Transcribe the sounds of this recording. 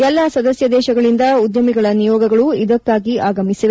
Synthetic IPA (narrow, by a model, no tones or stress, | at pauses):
ɛlːaːsɐd̪ɐsjɐd̪ɛːʃɐɡɐɭind̪ɐud̪jɐmiɡɐɭɐnijɔːɡɐɡɐɭuid̪ɐkːaːɡiaːɡɐmisiʋe